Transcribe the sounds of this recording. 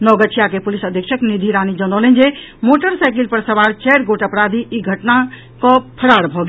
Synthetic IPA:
nɔɡət͡ʃʰijakepulisəd̪ʱjəkʃʰəknid̪ʱiɾanid͡ʒənɔlend͡ʒe | moʈəɾsaɪkilpəɾsəbaɾt͡ʃɛɾɡoʈəpɾad̪ʱiʔiɡʱəʈna | kɔ̃pʰəɾaɽbʱɔɡe

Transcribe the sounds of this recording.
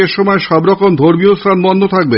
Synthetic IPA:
eɾʃɔmɔeʃɔbɾɔkomd̪ʱoɾmiost̪ɾanbɔnd̪ʱot̪ʰak̚be

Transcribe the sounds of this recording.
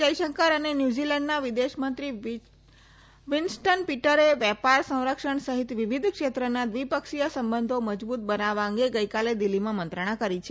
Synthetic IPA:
d͡ʒəjʃəŋkaɾənenjud͡ʒilɛɳɖnaʋid̪eʃmənt̪ɾi | ʋɪnsʈənpiʈəɾeʋjɛpaɾsə̃w̃ɾəkʃəɳsəɦit̪ʋiʋid̪ʱkʃet̪ɾənad̪ʋipəkʃijəsəmbənd̪ʱoməd͡ʒbut̪̚bənaʋaə̃ŋɡeɡəjkaled̪ilːimãmənt̪ɾəɽ̃ãkəɾit͡ʃʰe

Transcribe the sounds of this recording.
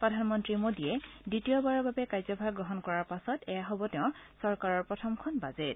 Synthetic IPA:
pɹɔdʱanmɔntɹimodiɛditijɔbaɹɔɹbabɛkajzɔbʱaɡɡɹɔɦɔnkɔɹaɹpasɔtɛjaɦɔbɔtɛʊ̃sɔɹkaɹɔɹpɹɔtʰɔmkʰɔnbazet

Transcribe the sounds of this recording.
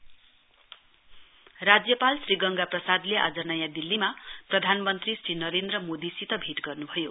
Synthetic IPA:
rad͡zjʌpalsriɡʌŋɡaprʌsad̪leʔa̰d͡zʌnʌjãd̪ilːimaprʌd̪ʱanmʌnt̪risrinʌɾend̪rʌmod̪isit̪ʌbʱiʈɡʌrnubʱʌjo

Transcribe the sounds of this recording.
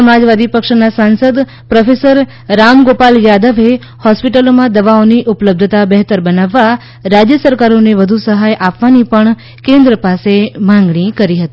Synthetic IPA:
əmad͡ʒʋad̪ipəkʃnasansəd̪ | pɾəfesəɾ | ɾamɡopaljad̪əʋe | hɔspiʈəlomãd̪əʋaoniʔupələb̚d̪ʱət̪abəɦt̪əɾbənaʋːa | ɾad͡ʒjəsəɾkaɾoneʋəd̪ʱusəɦajʔapʋanipəɳ | kẽnd̪ɾəpasemãŋɡɳ̃ikəɾiɦət̪i

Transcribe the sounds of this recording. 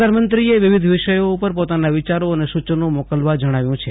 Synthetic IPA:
d̪anmənt̪ɾieʋɪʋid̪ʱʋɪʃəjoupəɾpot̪anaʋɪt͡ʃaɾoənesut͡ʃənomɔkəlʋad͡ʒəɽ̃aʋjũt͡ʃʰe

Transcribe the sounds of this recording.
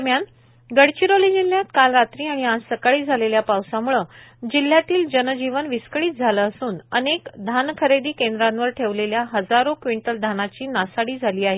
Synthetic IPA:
əɾmjan | ɡəɽt͡ɕiɾoliːd͡ʑil̤ːjat̪kalɾat̪ɾiːaɽ̃iãːəkaɭiːd͡zʱaleljapawsãmuɭəd͡ʑil̤jat̪iːld͡ʑənd͡ʑiʋənʋiskəɽiːt̪̚d͡zʱaləːsuːnənekd̪ʱankʰəɾed̪iːkend̪ɾãnʋəɾʈʰeʋleljaɦəd͡zaɾokʋiɳʈəld̪ʱanat͡ɕiːnasaɽiːd͡zʱaliːaɦe

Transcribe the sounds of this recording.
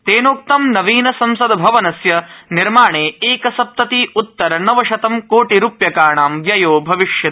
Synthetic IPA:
t̪eːnoːk̚t̪ɐmnɐʋiːnɐsɐmsɐd̪ɐbʱɐʋɐnɐsjɐniɾmaːɳeːeːkɐsɐp̚t̪ɐt̪iːut̪ːɐɾɐnɐʋɐʃɐt̪ɐmkoːʈiɾuːpjɐkaːɳaːmʋjɐjoːbʱɐʋiʂjɐ

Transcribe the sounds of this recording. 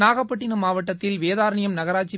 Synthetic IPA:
naːɣɐpːɐʈːɪnɐmaːʋɐʈːɐt̪ːɪlʋeːðaːɾɐɳɪjɐmnɐɣɐɾaːt͡ʃːi

